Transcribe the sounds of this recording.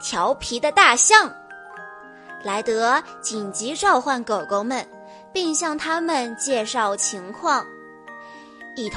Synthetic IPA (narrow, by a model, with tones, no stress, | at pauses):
t̪ʰjɑ˧˥ʊpʰi˧˥d̪ə˧t̪a˥˧ɕjɑ˥˩ŋ | la˧˥ɪt̪ɤ˧˥t͡ɕi˨˩nt͡ɕi˧˥ʈ͡ʂɑ˥˧ʊxwa˥˩nkɤ˨˩ʊko˧˥ʊmə˨n | pi˥˧ŋɕjɑ˥˩ŋt̪ʰa˥mə˨nt͡ɕjɛ˥˧ʂɑ˥˩ʊt͡ɕʰi˧˥ŋkʰwɑ˥˩ŋ | i˨˩t̪ʰ